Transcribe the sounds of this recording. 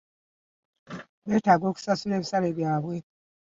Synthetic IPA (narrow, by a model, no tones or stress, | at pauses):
betaɡoku̥sasuɾeβisaɾebjaːβwe